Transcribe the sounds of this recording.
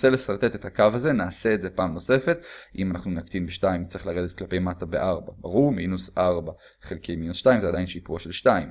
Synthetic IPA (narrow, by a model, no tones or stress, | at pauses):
selesaʁt̪e̞t̪et̪hakavaze̞naːseːtze̞paːmno̞se̞fe̞tʔimanaχnunakt̪inbeʃtaimtt͡seχlaʁed̪et̪̚klape̞jmatabḛʔaʁbabaʁuʁminusʔaʁba | χelkʰejminusʃtaimzead̪ajinʃipuaʃelʃtaim